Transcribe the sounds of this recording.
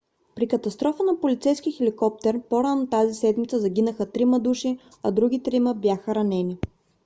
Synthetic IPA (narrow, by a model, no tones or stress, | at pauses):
pɾikət̪ɐst̪ɾɔfənɐpolit̪sɛjskixɛlikɔp̚t̪ɛɾpoɾanot̪azisɛd̪mit̪səzɐɡʲinəxət̪ɾimɐd̪uʃi | ɐd̪ɾuɡ̟ʲit̪ɾiməbjaxəɾɐnɛni